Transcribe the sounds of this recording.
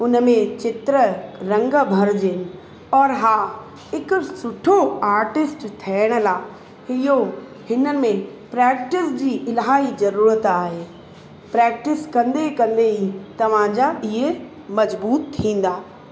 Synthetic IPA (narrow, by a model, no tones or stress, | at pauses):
ʊnəmẽt͡ɕɪt̪ɾəɾɐ̃ŋɡəbʱɐɾd͡ʑɪnɪ̆ | ɔːɾɦaː | ɦɪkʊsʊʈʰoaːɾʈɪsʈt̪ʰɛːɪɽ̃ə̆laː | hɪjo | hɪnəɪ̆mẽ | pɾɛːkʈɪsd͡ʑiːʔɪlɦaːɦizɐɾuːɾət̪aːɦeː | pɾɛːk̚ʈɪskɐ̃nd̪ekɐ̃nd̪eit̪ɐʋ̤ãd͡ʑaɪɦe | mɐzbuːt̪ʰĩːn̆d̪aː